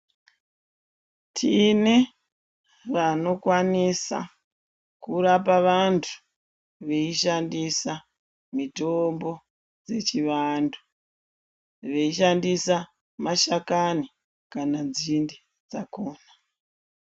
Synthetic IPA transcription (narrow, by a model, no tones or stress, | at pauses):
tʰine | ʋano̞kwanisa̰ | kuɾapaʋantʰu̥ | ʋe̞iʃandisa | mitombo̞ | d͡ze̞t͡ʃiʋandu | ʋe̞iʃandisa | maʃakani | kananzindi | d͡zakoːna